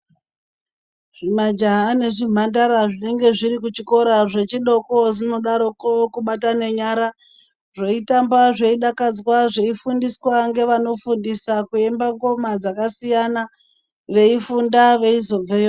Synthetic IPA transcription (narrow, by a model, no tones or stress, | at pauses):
ʐ̥imad͡ʒaɦane̞ʐim̤andaɾaʐine̞ŋɡe̞ʐiɾikut͡ʃiko̞ɾaʐe̞t͡ʃiɗo̞ko̞ʐino̞ɗaɾo̞kokuɓatane̞ɲaɾa | ʐe̞itambaʐeiɗakad͡zwaʐe̞ifundiswaŋɡe̞ʋano̞fundisakue̞mbaŋɡo̞mad͡zakasijana | ʋe̞ifundaʋe̞izo̞b͡vejo